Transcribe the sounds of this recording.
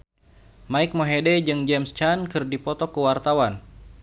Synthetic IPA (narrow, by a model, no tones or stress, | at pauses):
maik̚moɦedɛd͡ʒɨŋd͡ʒɛmst͡ʃankɨrdipɔt̪ɔkəwart̪awan